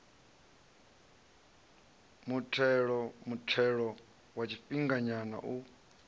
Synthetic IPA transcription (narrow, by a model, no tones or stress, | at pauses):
mutʰɛɺɔmutʰɛɺɔ | wat͡ʃʰiɸiŋɡaɲana̰ʔu